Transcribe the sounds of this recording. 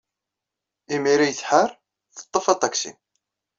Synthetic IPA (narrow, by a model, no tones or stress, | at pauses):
imiɾijθħaɾ | θə̥t̪ˤːəfɑt̪ˤːɑksḭn